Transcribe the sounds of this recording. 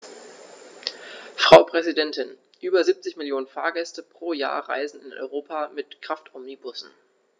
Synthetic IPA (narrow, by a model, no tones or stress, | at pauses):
fʁ̥aʊpʁ̥ɛzidɛntɪn | ʔyːbɐziːp̚t͡sɪçmɪljoːnənfaːɐɡɛstəpʁ̥oːja̰ːɐʁa̰ɪzn̩ɪnɔ̰ʏʁoːpʰamɪtkʁ̥aftʰɔmnibʊsn̩